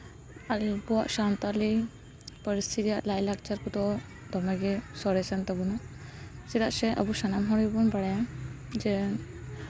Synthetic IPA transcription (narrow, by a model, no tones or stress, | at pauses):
albɔwa̰ʔʃant̪ali | pəɾist̪ʰit̪ijaʔlajlak̚t͡ʃaɾkud̪ɔ | d̪ɔmɛɡɛsɔɾɛsant̪abunasid̪aʔsɛʔə̰busanamɦɔɽbunbaɽɛ | d͡ʒɛ